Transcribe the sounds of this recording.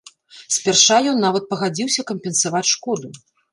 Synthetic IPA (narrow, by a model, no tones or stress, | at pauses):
sʲpʲɛrʂajɔnːavɐt̪̚pɐɣad͡zʲiwsʲɐkɐmʲpʲɛnsavat͡sʲʂkɔd̪u